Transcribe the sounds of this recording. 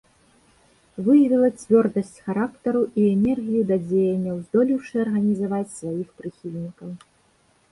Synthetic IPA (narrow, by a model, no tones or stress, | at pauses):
vɨjɐvʲilˠɐt͡sʲvʲɔrd̪ɐsʲt͡sʲxaɾakt̪ɐɾuiɛnʲɛrɣʲijud̪ɐd͡zʲejɛnʲːɐwzd̪ɔlʲiwʂɨɐrɣɐnʲizavat͡sʲsvajixpɾɨxʲilʲnʲikɐw